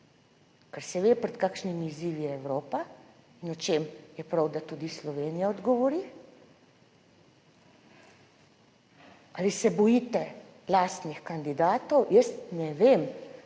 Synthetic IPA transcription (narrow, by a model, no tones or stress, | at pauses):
kɛɾsɛʋeːpɾɛt̪kaːkʃnimiːziːʋijɛɛwɾoːpa | inɔt͡ʃeːmjɛpɾawd̪at̪ud̪islɔʋeːnijaɔd̪ɡɔʋɔɾi | alisɛbɔjiːt̪ɛ | laːst̪nixkand̪id̪aːt̪ɔwjəst̪nɛʋeːm